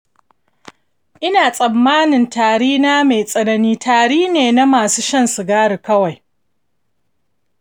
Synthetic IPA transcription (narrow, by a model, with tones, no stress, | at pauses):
ʔɪ˦naː˨sʼɐ˨mːaː˦nɪ˨ntaː˨ɽiː˦naː˦ma˨jsʼɐ˦nɐ˦niː˦tʰaː˨ɽiː˦neː˨na˦maː˨suː˦ʃɐ˦nsu˨ɡaː˦ɽu˨kɐ˦wa˨j